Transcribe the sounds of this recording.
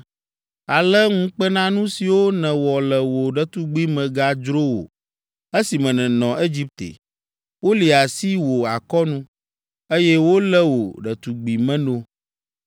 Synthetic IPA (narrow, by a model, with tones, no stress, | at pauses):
a˨lɛ˦ŋũ˦k͡pə˦nã˦nũ˦si˨wo˦nɛ̃˨wɔ˨lɛ˨wo˨ɖə˨t̪u˦ɡ͡bi˦mɛ̃˨ɡa˦d͡ʒɾo˦wo̰˨ | e˦si˨mɛ̃˨nɛ̃˨nɔ̃˨ʔe˦d͡ʑi˦p̚t̪ḛ˨ | wo˦li˨a˨si˦wo˨a˨kɔ˦nũ˦ | e˦jɛ˦wo˦lɛ˦wo˨ɖɛ˨t̪u˨ɡ͡bi˨mɛ̃˦nõ˦